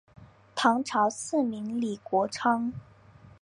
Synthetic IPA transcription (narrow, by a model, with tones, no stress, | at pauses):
t̪ʰɑ˧˥ŋʈ͡ʂʰɑ˧˥ʊsɹ̩˥˩mi˧˥ŋli˨˩kwɔ˧˥ʈ͡ʂʰɑ˥ŋ